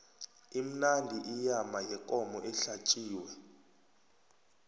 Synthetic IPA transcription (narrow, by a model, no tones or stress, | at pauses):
im̩nandʱiʔijamajɛkʼɔmɔʔɛɬat͡ʃʼiːwɛ